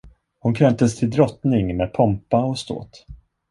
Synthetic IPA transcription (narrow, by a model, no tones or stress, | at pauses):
hʊnkʰɾɛmt̪əst̪ʰɪld̪ɾɔt̪nɪŋmeːd̪̚pʰɔmpaɔst̪o̰ːt̪